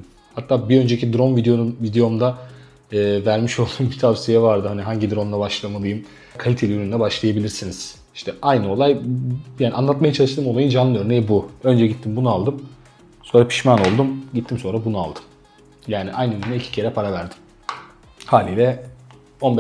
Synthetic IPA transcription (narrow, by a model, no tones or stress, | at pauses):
hat̪ʰːaːbiø̞nd͡ʒecʰid̪ɾo̞nvid̪eovid̪ejo̞md̪a | ɯːvæɾmiʃolˠd̪ujmbit̪ʰavsijɛvaɾd̪ɯɦaniɦaɲɟid̪ɾo̞nlˠabaʃlˠamalˠɯjɯm | kʰalʲit̪ʰelʲiøɾynd̪ɛbaʃlˠajabilʲiɾsiniz̥ | i̥ʃt̪ʰɛʔajnɯo̞lˠajjaːnʲʔanˠat̪majat͡ʃʰalˠɯʃt̪ɯmo̞lˠajɯnd͡ʒanlˠɯø̞ɾnejibuø̞nd͡ʒɛɟit̪ʰːimbunualˠd̪ɯm | so̞nɾapʰi̥ʃmano̞lˠd̪umɟit̪ʰːimso̞nɾabunua̰lˠd̪ɯ̥m | jaːniʔajnɯøɾynɛicʰi̥cʰe̞ɾɛpʰaɾavæɾd̪i̥m | haːlʲiːd̪ɛ | o̞nb